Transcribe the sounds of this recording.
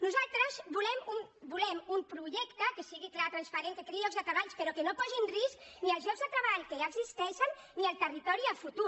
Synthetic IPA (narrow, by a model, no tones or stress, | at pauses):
nuzalˠt̪ɾəzbulɛmumbulɛmumpɾuʒɛkt̪əkəsiɣiklat̪ɾənspəɾenk̪əkeɾiʎɔkɡzðət̪ɾəβaʎspəɾɔkənopɔzinriskniəlˠzʎɔɡzðət̪ɾəβaʎkəʒaəɡzist̪ɛʃənːiəlˠt̪ərit̪ɔɾiəfut̪u